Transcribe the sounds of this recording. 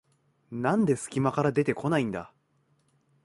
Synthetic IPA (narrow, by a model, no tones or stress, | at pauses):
nãnd̪e̞sɨ̥kʲimakaɾad̪e̞t̪e̞ko̞naĩnd̪a̰